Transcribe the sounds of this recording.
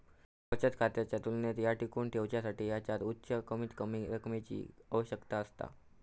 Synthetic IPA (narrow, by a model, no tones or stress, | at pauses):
pət͡ɕət̪kʰat̪jat͡ɕjat̪ulnet̪jaʈikuːɳt̪ʰeʋt͡ɕjasaʈiːjat͡ɕat̪utːɕəkəmit̪kəmiɾəkmet͡ɕḭːəʋəɕəkt̪aəst̪a̰